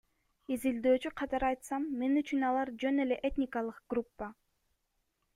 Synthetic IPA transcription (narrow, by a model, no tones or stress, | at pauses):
izild̪ø̞ːt͡ʃyqʰɑt̪ɑɾɑjt̪sɑmːe̞nyt͡ʃynɑlˠɑɾd͡ʒø̞ne̞le̞ʔet̪ʲnʲɪkalˠɯqɡ̥rupːa